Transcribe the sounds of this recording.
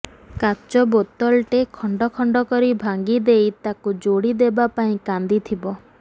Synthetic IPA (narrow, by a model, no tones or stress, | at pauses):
kat͡ʃɔbot̪ɔlʈekʰɔɳɖɔkʰɔɳɖɔkɔɾibʱaŋɡid̪ejt̪akud͡ʒoɽid̪ebapaĩkand̪it̪ʰibɔ